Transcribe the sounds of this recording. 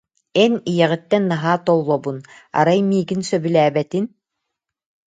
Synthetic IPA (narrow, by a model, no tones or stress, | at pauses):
ɛnijɛʁĭt̪ːɛnːaɦaːt̪ɔlˠːɔbuna̰ɾajmiːɡinsœbylæːbɛt̪in